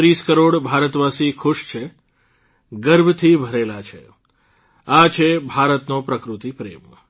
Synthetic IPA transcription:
ɾiskəɾoɽbʱaɾət̪ʋasikʰʊʃt͡ʃʰe | ɡəɾbʱət̪ʰibʱəɾelat͡ʃʰḛ | at͡ʃʰebʱaɾət̪nopɾəkɾut̪ipɾḛm

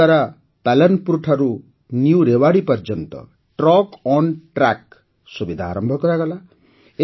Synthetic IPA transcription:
aɾa | palɔnpuɾuʈʰaɾu | njuɾewaɽipɔɾd͡ʒɔnt̪ɔ̰ | ʈrɔkɔnʈrak̚ | subid̪ʱaːɾɔmbʱɔkɔɾaɡɔla | e

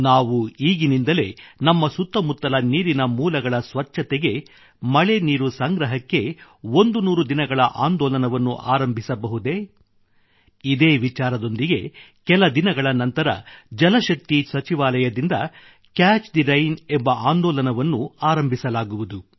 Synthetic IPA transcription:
naːʋuiːɡinind̪ɐle̞nɐmːɐsut̪ːɐmut̪ːɐlɐniːɾinɐmuːlɐɡɐɭɐsʋɐt͡ʃːɐt̪ɛɡe̞ | mɐɭe̞niːɾusɐŋɡɾɐɦɐkːe̞ | ond̪unuːɾud̪inɐɡɐɭɐʔaːnd̪ɔːlɐnɐʋɐnːṵʔaːɾɐmbʱisɐbɐɦud̪e̞ | id̪eːʋit͡ʃaːɾɐd̪o̞nd̪iɡe̞ | kɛlɐd̪inɐɡɐɭɐnɐnt̪ɐɾɐ̰d͡ʒɐlɐʃɐk̚t̪isɐt͡ʃiʋaːlɐjɐd̪ind̪ɐ | kaːt͡ʃd̪iɾɐjnembɐʔaːnd̪ɔːlɐnɐʋɐnːuaːɾɐmbʱisɐlaːɡuʋud̪u

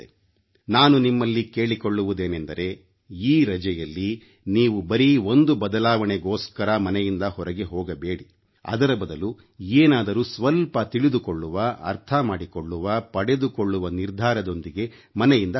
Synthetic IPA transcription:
naːnunimːɐlːike̞ːɭikoɭːuʋud̪e̞ːnend̪ɐɾe̞ | iːɾɐd͡ʒɛjɐlːi | niːʋubɐɾio̞nd̪ubɐd̪ɐlaːʋɐɳeɡoːskɐɾɐmɐnɛjind̪ɐhɔɾɐɡe̞ɦɔːɡɐbe̞ːɽi | ɐ̰d̪ɐɾɐbɐd̪ɐlu | eːnaːd̪ɐɾusʋɐlpɐt̪iɭid̪ukoɭːuʋɐʔɐ̰ɾt̪ʰɐmaːɽikoɭːuʋɐpɐɽed̪ukoɭːuʋɐniɾd̪ʱaːɾɐd̪o̞nd̪iɡe̞ | mɐnɛjind̪ɐ

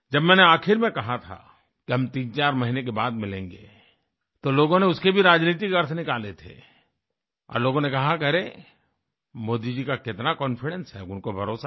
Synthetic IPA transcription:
d͡ʒɐbmɛːneaːkʰɪɾmẽkɐɦat̪ʰa̰ | kiɦɐmt̪ĩːnt͡ʃaːɾmɐɦinek̬ebaːd̪mɪlẽːŋɡḛː | t̪oloːɡõneʊskebʱiɾaːd͡ʒniːt̪̬ikɐɾt̪ʰnɪkaːlet̪ʰḛː | ɔ̰ːɾloːɡõnekɐɦakɐɾe | moːd̪id͡ʒikakɪt̪nakɔːnfɪɽɛ̃nsɦɛʊnkobʱɐɾoːsa

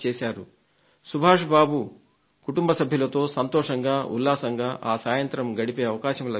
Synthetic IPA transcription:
t͡ʃɛːʃaːɾu | subʱaːʂɐbaːbu | kuʈumbɐsɐbʱjulɐt̪o̞ːsɐnt̪ɔːʂɐŋɡaːʔṵlːaːsɐŋɡaːʔaːsaːjɐnt̪ɾɐmɡɐɽipeːɐʋɐkaːʃɐmlɐ

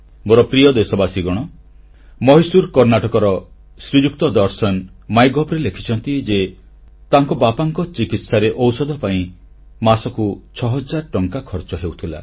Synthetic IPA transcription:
moɾɔpɾijɔd̪esɔbasiɡɔɽ̃ɔ | mɔɦisuɾkɔɾnaʈɔkɔɾɔ | sɾid͡ʒukt̪ɔd̪ɔɾsɔn | majɡɔpɾelekʰi̥t͡ʃʰɔnt̪id͡ʒe | t̪aŋkɔbapaŋkɔt͡ʃikit̪saɾeʔɔwsɔd̪ʱɔpaĩ | masɔkut͡ʃʰɔɦɔd͡ʒaɾɔʈɔŋkakʰɔɾt͡ʃɔɦewt̪ʰila̰

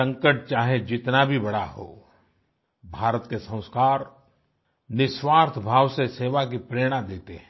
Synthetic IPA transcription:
sɐ̃ŋkəʈ̚t͡ʃaːɦed͡ʒɪt̪nabʱibɐɽaho̰ː | bʱaːɾət̪kesɐ̃ʊ̃skaːɾ | nɪʃwaːɾt̪ʰbʱaːwseseːʋak̬ipɾeːɽ̃ad̪eːt̪eɦɛ̃

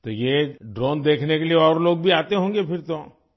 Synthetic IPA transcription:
t̪ojeɖɾoːnd̪eːkʰnekelieɔːɾloːɡ̚bʱiaːt̪eɦõːŋɡepʰɪɾt̪o

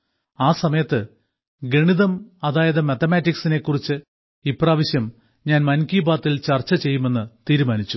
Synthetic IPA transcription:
aːsɐmɐjɐt̪ːɨ | ɡeɳiðɐmɐðaːjɐðɐmɐt̪ɐmaːtːiksine̞kːurit͡ɕːɨ | ipːraːʋiɕjɐm | ɲaːnmɐnkiːbaːt̪ːilt͡ɕɐrt͡ɕːɐt͡ɕe̞jːume̞nːɨt̪iːɾumaːnit͡ɕːu

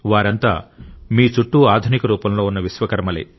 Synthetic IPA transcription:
ʋaːɾɐnt̪aːmiːt͡ʃuʈːuaːd̪ʱunikɐɾuːpɐmlo̞ːunːɐʋisʋɐkɐɾmɐlḛ

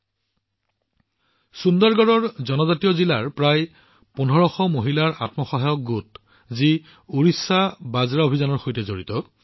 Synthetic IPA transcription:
sundɔɹɡɔɹɔɹzɔnɔzatiɔzilaɹpɹaj | pun̤ʱɔɹɔxɔmoɦilaɹa̰tmɔxɔɦajɔk̚ɡut | zi | uɹisːabazɹaobʱizanɔɹxojtɛzoɹitɔ

